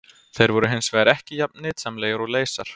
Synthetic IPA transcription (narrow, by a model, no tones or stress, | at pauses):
θejɾvɔɾʏɦensvɛːɣaɾɛhcɪjap̚nɪt̪samleːjaɾɔleːjsaɾ̥